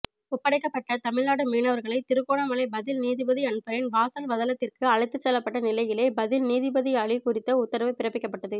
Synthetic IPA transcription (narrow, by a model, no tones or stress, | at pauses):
ʊpːɐɽɐɪkːɐpːɐʈːɐt̪ɐmɪɭnaːɽɯmiːnɐʋɐɾɣɐɭɐɪt̪ɪɾɯkːoːɳɐmɐlɐɪbɐðɪlniːðɪbɐðiɐɳɯpːɐɾɪnbaːsɐlʋɐðɐlɐt̪ːɪrkɯɐɻɐɪt̪ːɯt͡ʃːɛlːɐpːɐʈːɐnɪlɐɪjɪleːbɐðɪlniːðɪbɐðiɐɭɪkʊrɪt̪ːɐʊt̪ːɐɾɐʋɐɪpɪɾɐpːɪkːɐpːɐʈːɐðɯ